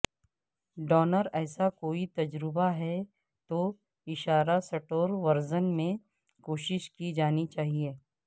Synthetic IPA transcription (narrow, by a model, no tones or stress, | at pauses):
ɖɔːnəɾɛːsakoːit̪ɐd͡ʒɾɪbaɦɛ | t̪oː | ɪʃaːɾasɐʈoːɾʋɐɾzənmẽ | koːʃɪʃkid͡ʒaːnit͡ʃaːɦieː